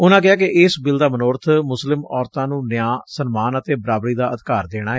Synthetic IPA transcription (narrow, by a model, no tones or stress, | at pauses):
ʊnãːk̬ɪaːkɪʔɪːsbɪld̪aːmənoːɾt̪ʰmʊslɪmɔːɾt̪ãːnũːnɪjãːsənmaːnət̪eːbəɾaːbɾiːd̪aːəd̪kaːɾd̪eːɽ̃aːɛː